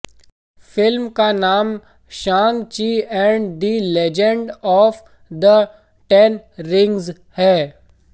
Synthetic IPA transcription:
fɪlmkanaːm | ʃãːŋɡt͡ʃiːɛ̃ːɳɖd̪ilɛd͡ʒə̃ɳɖɔːf | d̪ə | ʈɛnɾɪ̃ŋɡz | hɛː

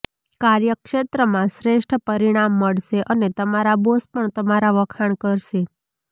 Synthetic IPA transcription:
kaɾjəkʃet̪ɾəmãsɾeʂʈʰəpəɾiɽ̃amːəɭʃeʔənet̪əmaɾabospəɳt̪əmaɾaʋəkʰaɳ̃kəɾʃe

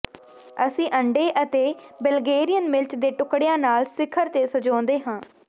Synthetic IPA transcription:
əsĩːʔəɳɖeːʔət̪eːbəlɡeːɾɪjənmɪlt͡ʃd̪eːʈʊkɽejãːnaːlsɪkʰəɾt̪eːsəd͡ʒɔ̃ːnd̪eːɦãː

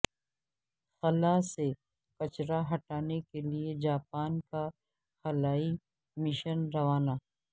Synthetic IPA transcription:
xɐlase | kɐt͡ʃɾaɦɐʈaːnekelied͡ʒaːpaːnka | xɐlaːi | mɪʃənɾɐʋaːnaː

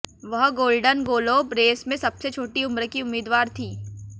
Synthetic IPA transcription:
ʋɐɦɡoːlɖənɡoːloːbɾeːsmẽsɐbset͡ʃʰoːʈiʊmɾəkiʊmːiːd̪ʋaːɾt̪ʰiː

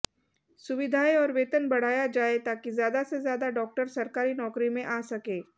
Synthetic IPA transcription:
sʊʋɪd̪ʱaːiɔːɾʋeːt̪ənbɐɽ̤aːjad͡ʒaːet̪aːkizjaːd̪asezjaːd̪aɖɔːk̚ʈəɾsɐɾkaːɾinɔːkɾimẽʔaːsɐkeː

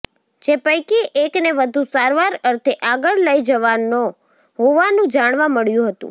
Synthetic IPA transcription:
d͡ʒepəjkiʔekneʋəd̪ʱũsaɾʋaɾəɾt̪ʰeʔaɡəɭləid͡ʒəʋano | ɦoʋanũd͡ʒaɽ̃ʋaməɭjũɦət̪ṵ̃

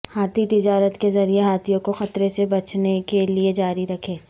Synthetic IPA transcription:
haːt̪ʰit̪ɪd͡ʒaːɾət̪kezɐɾieɦaːt̪ʰijõkoxɐt̪ɾesebɐt͡ʃʰnekelied͡ʒaːɾiɾɐkʰeː

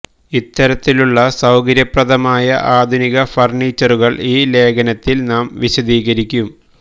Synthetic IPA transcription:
it̪ːɐɾɐt̪ːiluɭːɐsɐwkɐɾjɐprɐd̪ʱɐmaːjɐʔaːd̪ʱuniɣɐfɐrniːt͡ɕːɐruɣɐɭiːle̞ːkʰɐnɐt̪ːilnaːmʋiɕɐd̪iːɣɐɾikʲːum

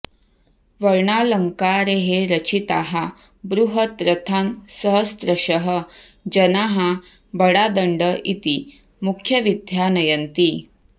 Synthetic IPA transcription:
ʋəɾɳaləŋkaɾeɦeɾət͡ɕʰit̪aɦa | bɾuɦət̪ɾət̪ʰansəɦəst̪ɾəɕəɦə | d͡ʑənaɦa | bəɽad̪əɳɖəʔit̪i | mukʰjəʋid̪ʱjanəjənt̪iː

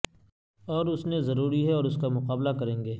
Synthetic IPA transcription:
ɔːɾʊsnezɐɾuːɾiɦɛɔːɾʊskamʊqaːblakɐɾẽːŋɡeː

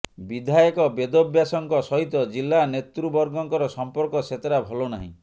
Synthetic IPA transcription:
bid̪ʱajɔkɔbed̪objasɔŋkɔsɔɦit̪ɔd͡ʒilːanet̪ɾubɔɾɡɔŋkɔɾɔsɔmpɔɾkɔset̪eɾabʱɔlonaɦḭ̃

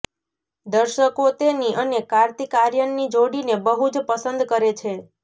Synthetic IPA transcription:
d̪əɾʃəkot̪eniʔənekaɾt̪ikaɾjənːid͡ʒoɽinebəɦud͡ʒpəsənd̪kəɾet͡ʃʰe

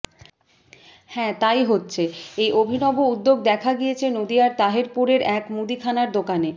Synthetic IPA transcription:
hɛ̃t̪ajɦotːɕʰeejʔobʱinɔboud̪ːoɡd̪ɛkʰaɡijet͡ɕʰenod̪ijaɾt̪aɦeɾpuɾeɾɛkmud̪ikʰanaɾd̪okane

